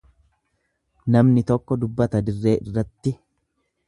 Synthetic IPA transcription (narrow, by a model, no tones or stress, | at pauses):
nɐmnɪt̪ɔkːɔd̪ʊbːɐt̪ɐd̪ɪrːe̞ːʔɪ̰rːɐt̪ːɪ